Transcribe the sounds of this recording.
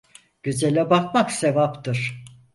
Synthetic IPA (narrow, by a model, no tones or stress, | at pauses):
ɟ̥yzelʲɛbakmaksevapt̪ɯɾ̥